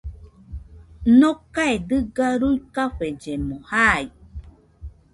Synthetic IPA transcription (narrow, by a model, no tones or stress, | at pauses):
nokaed̪ɨɡaɾuikaɸed͡ʒemohaj